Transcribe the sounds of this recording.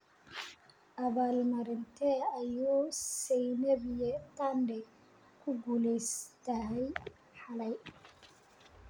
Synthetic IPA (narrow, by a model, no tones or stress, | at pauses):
ʔɐβaːlmɐɾɪnt̪ʰɛɐjuːsɛjnɐβɪjɛt̪ʰandɛ | kʰʊɡuːlɛst̪ʰɐɦɛj | ħɑlɛj